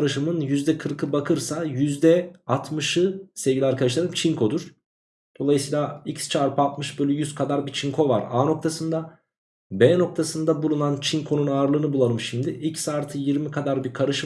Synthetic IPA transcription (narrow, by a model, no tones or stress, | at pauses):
ɾɯʃɯmɯnjyzd̪ɛkʰɯɾkʰɯbakʰɯɾsajyzd̪ɛat̪ʰmɯʃɯsevɟʲilʲaɾkʰad̪aʃlˠaɾɯmt͡ʃʰiŋkʰo̞d̪uɾ̥ | d̪̥o̞lˠajɯsɯiːlʲaicst͡ʃʰaɾpʰɯalt̪mɯʃbølʲyjyz̥kʰad̪aɾbit͡ʃʰiŋkʰo̞vaɾaːno̞k̚t̪ʰasɯnd̪a | bɛːno̞k̚t̪ʰasɯnd̪abulˠunant͡ʃʰinkʰo̞nunaːɾlˠɯːnɯbulˠaɾɯmʃimd̪ɪicsaːɾt̪ʰɯjiɾmikʰad̪aɾbikʰaɾɯʃɯ